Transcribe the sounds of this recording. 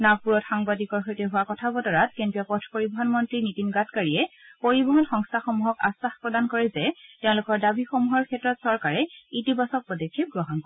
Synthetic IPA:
naɡ̚puɹɔtxaŋbadikɔɹxojtɛɦʊwakɔtʰabɔdɔɹat̚kentijɔpɔtʰpoɹibɔɦɔnmɔntɹinitinɡatkaɹiɛpoɹibɔɦɔnxɔŋstʰaxɔmuɦɔkasaxpɹɔdankɔɹɛzɛtɛʊ̃lʊkɔɹdabixomuɦɔɹkʰɛtɹɔtsɔɹkaɹɛitibɔsɔk̚pɔdɔkʰːip̚ɡɹɔɦɔnkɔɛ

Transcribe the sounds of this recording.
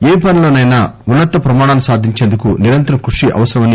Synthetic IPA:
eːpɐniloːnɐjnaːunːɐt̪ːɐpɾɐmaːɽaːnusaːd̪ʱiɲt͡ʃeːnd̪ukuniɾɐnt̪ɐkɾuʂiʔɐ̰ʋɐsɐɾɐmɐni

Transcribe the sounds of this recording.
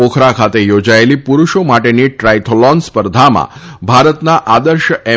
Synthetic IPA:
okʰɾakʰat̪ejod͡ʒaelipuɾuʃomaʈeniʈɾajt̪ʰolɔnspəɾd̪ʱamã̰bʱaɾət̪naʔad̪əɾʃəʔɛ

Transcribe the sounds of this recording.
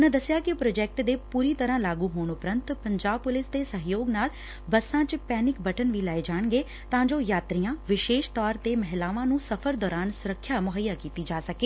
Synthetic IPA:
ʊnãːd̪əsɪjaːkɪpɾoːd͡ʒɛːk̚ʈd̪eːpuːɾiːt̪əɾãːlaːɡuːɦoːɳ̃ʊpɾənt̪pəɲd͡ʒaːb̚pʊlɪsd̪eːsəɦjoːɡnaːl | bəsːãːt͡ʃpɛːnɪkbəʈənʋiːlaːeːd͡ʒaːɳ̃ɡeː | t̪ãːd͡ʒoːjaːt̪ɾijãːʋɪʃeːʃt̪ɔːɾt̪eːmɛɦlaːʋãːnũːsəpʰəɾd̪ɔːɾaːnsʊɾəkʰːjaːmʊɦəjaːkiːt̪iːd͡ʒaːsəkeː

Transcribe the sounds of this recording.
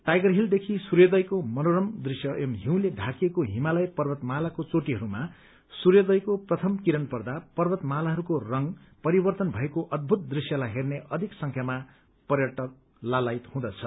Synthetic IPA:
ʈajɡʌrɦild̪ekʰisurjʌd̪ʌjkomʌnoɾʌmd̪risjʌʔemɦiw̃ledʱakiekoɦimalʌjpʌrbʌt̪malakot͡soʈiɦʌɾuma | surjʌd̪ʌjkoprʌt̪ʰʌmkiɾʌnpʌrd̪apʌrbʌt̪malaɦʌɾukorʌŋpʌɾibʌrt̪ʌnbʱʌekoʔʌd̪̚bʱut̪̚d̪risjʌlaɦerneʔʌd̪ʱiksʌŋkʰjama | pʌrjʌʈʌk̚ | lalajt̪hũd̪ʌt͡sʰʌ

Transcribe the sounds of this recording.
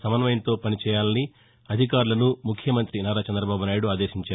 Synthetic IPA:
sɐmɐnɐmɐjɐnt̪o̞ːpɐnit͡ʃɛːjaːlɐni | ɐd̪ʱikaːɾulɐnumukʰjɐmɐnt̪ɾinaːɾaːt͡ʃɐnd̪ɾɐbaːbunaːjuɽuaːd̪e̞ːʃiɲt͡ʃaː

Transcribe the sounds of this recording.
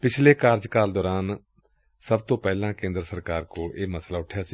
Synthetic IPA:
pɪt͡ʃʰleːkaːɾd͡ʒkaːld̪ɔːɾaːn | səbt̪õːpɛːlãːkẽːnd̪ɾəsəɾkaːɾkoːeːməslaːʊʈʰjaːsiː

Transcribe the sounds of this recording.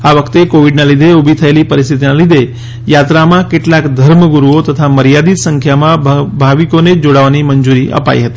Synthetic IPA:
aʋəkʰt̪ekoʋiɖnalid̪ʱeubʱit̪ʰəelipəɾist̪ʰit̪inalid̪ʱe | jat̪ɾamãkeʈlakd̪ʱəɾməɡuɾuot̪ət̪ʰaməɾijad̪it̪səŋkʰjamãbʱaʋikoned͡ʒoɽaʋaniməɲd͡ʒuɾiʔə̰pa̰ḭɦət̪i

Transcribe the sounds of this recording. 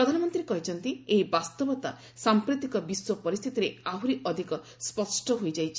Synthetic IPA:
pɾɔd̪ʱanɔmɔnt̪ɾiɾekɔɦit͡ʃʰɔnt̪ieɦibast̪ɔbɔt̪a̰ | sampɾit̪ikɔbiswɔpɔɾist̪ʰit̪iɾeaɦuɾiɔd̪ʱikɔ | spɔsʈɔɦojd͡ʒajt͡ʃʰi

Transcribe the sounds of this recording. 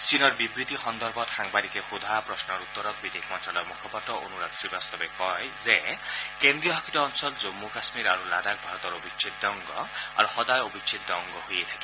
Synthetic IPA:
sinɔɾbibɾit̪ixɔnd̪ɔɾbʱɔt̪xaŋbalikexud̪ʱapɾɔsnɔɾut̪ːɔɾɔk̪̚bid̪ekʰmɔnt̪ɾalɔjmukʰɔpɔtːɔo̰nuɾad̪sibast̪ɔbekɔjzekend̪ɾijɔɦɔkʰi̥t̪ɔːnsɔlzomːukasmiɾaɾulad̪ak̚bʱaɾɔt̪ɔɾobit͡ʃʰit̪̚d̪ɔŋɡɔa̰ɾuxɔd̪ajobʱit͡ʃʰit̪̚d̪ɔŋɡɔhujet̪ʰḁki

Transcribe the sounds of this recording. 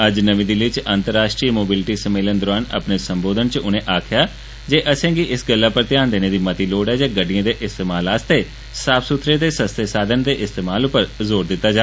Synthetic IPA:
əd͡ʒnəʋĩːd̪ilɪt͡ʃənt̪əɾːaːsʈɾiːmoːbɪlʈiːsəmeːlənd̪ʊɾaːnə̰pneːsəmboːd̪ənt͡ʃʊnẽːʔaːkʰɪjaː | d͡ʒeːʔəsɛ̃ːɡiʔɪsɡəlːaːpəɾt̪ɪjaːnd̪eːneːd̪iːmət̪iːloːɖɛːd͡ʒaːɡəɖɪjãːd̪eːʔɪst̪eːmaːlaːst̪eː | saːbsʊt̪ʰɾẽːd̪eːsəst̪eːsaːd̪ʱənd̪eːʔɪst̪eːmaːlʊpːəɾzoːɾd̪ɪt̪ːaːd͡ʒaː

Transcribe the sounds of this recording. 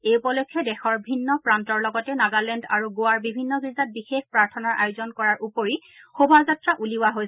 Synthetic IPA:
ejupɔlɔkʰːɛdɛxɔɹbʱinːɔpɹantɔɹlɔɡɔtɛnaɡalɛnda̰ɹuɡowaɹbibʱinːɔɡɹizat̚bixexpɹaɹtʰɔnaɹʔa̰jʊzɔnkɔɹaɹʔupoɹi | xobʱazatɹaʔuliwaɦoj

